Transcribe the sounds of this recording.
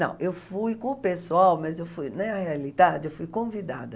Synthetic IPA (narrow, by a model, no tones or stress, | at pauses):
nɐ̰̃w̃ʔewfujkõʊpesuawmɐzewfujnɐ̃ɛahealid̪ad͡ʒɪewfujkõvid̪a̰d̪ɐ